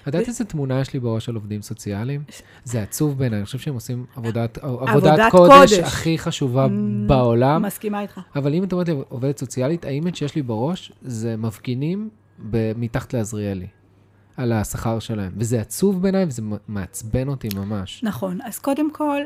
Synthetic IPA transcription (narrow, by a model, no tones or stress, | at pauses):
ad̪att̪iezetmunajeʃlibeʁo̞ʃalo̞vd̪imso̞t͡sialim | zeat͡suvbe̞ːnajaniχoʃevʃeemo̞simavodatavodvatdko̞dedʃeaχiχaʃuvabaolammaskimait̪χaavalimataoet̪̬liʔoved̪et̪so̞t͡sialitaimett͡ʃejeʃlibeʁo̞ʃzemavɡinim | bemitaχḁt̪leazʁiali | alasaχaʁʃe̞lae̞mvezeat͡suvbeːnajvezemeat͡sbe̞no̞timamaʃnaχonaz̥kod̪emkʰol